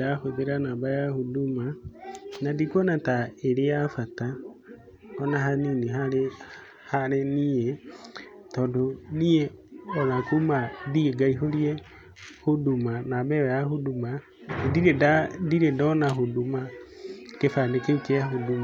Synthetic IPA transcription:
dahoðeɾanabajahodumanadikwɔnataeɾejafata | ɔnaɦaniniɦa | haɾenijɛ | tɔdonijɛɔðakumadieɡaiɦolie | hodumanabɛwɛjaɦoduma | diɾedadiɾedɔnaɦoduma | kefanekekeaɦoduma

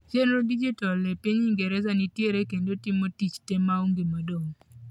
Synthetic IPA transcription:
d͡ʒɛnɾɔdid͡ʒitɔlɛpiɲiŋɡɛɾɛzanitjeɾekendotɪmotit͡ʃtɛmauŋɡimadoŋ

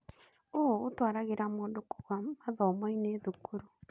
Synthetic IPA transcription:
oːtwaːɾaɣeɾamoːndoko̥ɣwamaðɔmɔineðokoɾu

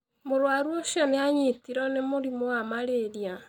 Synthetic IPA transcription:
moɾwaɾwɔʃjɔneaɲitiɾɔnemoɾimoamaɾeɾia

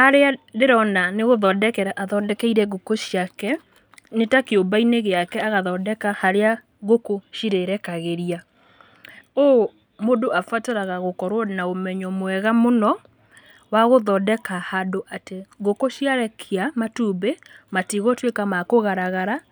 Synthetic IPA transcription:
naɾeadeɾɔnaneɣoðɔːdɛkɛɾaʔaðɔdɛkɛiɾɛɡokoʃiakɛ | netakeobaineɣeakɛaɣaðɔːdɛkahaɾea | ɣokoʃiɾeɾɛkaɣeɾia | o | modoafataɾaɣaɣokɔɾwɔnaomɛɲɔmwɛɣamonɔ | waɣoðɔdɛkahadoʔateɡokoʃiaɾɛkʰiamatuːbematiɣɔtwekamakoɣaɾaɣaɾa

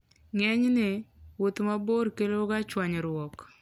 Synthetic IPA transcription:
ŋɛɲnɪwot̪maboɾkeloɡat͡ʃwaɲɛɾwɔk

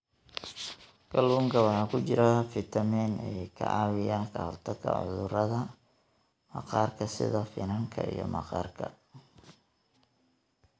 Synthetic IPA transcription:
ɡɐlwuːŋkʰɐwɑħɑːkʰʊt͡ʃɪɾɐfɪt̪ʰɐmɛːnɛːkʰɐ̰ʔɑːwɪjaːkʰɐhɔ̰rt̪ʰɐkʰɐ̰ʕʊ̰ðʊrɐðɐ | mɑqɑːrkʰɐsɪ̰ðɐfɪnɐŋkʰɐ̰ḭjɔ̰mɑqɑ̰ːrkʰɐ̰

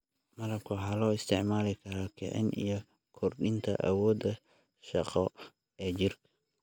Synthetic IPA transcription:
mɐɾɐb̚kʰʊɦɐlɔːɪst̪ʰɪʕmaːlɪkʰɐɾɔkʰɛ̰ʕɪ̰nʔḭjɔ | kʰɔrɖɪnt̪ʰɐ̰ʔɐ̰wɔːd̪ɐ | ʃɑqɔ | ɛːt͡ʃɪrkʰɐ̥

